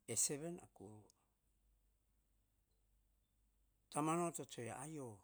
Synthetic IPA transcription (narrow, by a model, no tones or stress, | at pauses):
eseβena̰kuouo | tamanotot͡ʃoeaajo